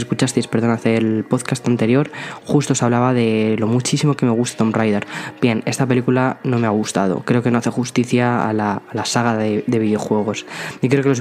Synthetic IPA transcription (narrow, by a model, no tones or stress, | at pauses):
eskut͡ʃast̪ejspe̞ɾðo̞naθelpo̞ðkast̪ant̪e̞ɾjo̞ɾxust̪osaβlaβaðe̞lo̞mut͡ʃisimo̞ke̞me̞ɣ̞ust̪ḁt̪o̞mrajðeɾb̥jene̞st̪ape̞likulano̞me̞aɣ̞ust̪að̞o̞̰kɾe̞oke̞no̞aθe̞xust̪iθja̰ːlaːlasaɣaðeðe̞βiðeo̞xwe̞ɣ̞o̞sikɾe̞o̞kelo̞z